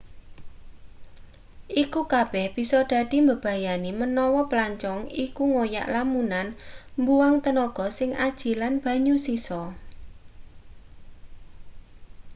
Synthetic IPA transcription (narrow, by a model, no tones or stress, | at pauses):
ʔikukab̥ɛhb̥i̤sɔɖ̪̥a̤d̪̥i̤mbəb̥a̤janimənɔwɔplaɲt͡ʃɔŋikuŋoja̰ʔlamunanmbuwaŋt̪ənɔɡ̥ɔ̤sɪŋʔad̥ʒ̥i̤lanb̥ä̤ɲusisɔ